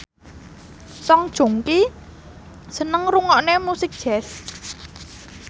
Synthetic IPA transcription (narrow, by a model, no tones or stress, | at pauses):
sɔŋd̥ʒ̥o̤ŋki | sənəŋruŋɔʔnemusɪk̚d̥ʒ̥ɛs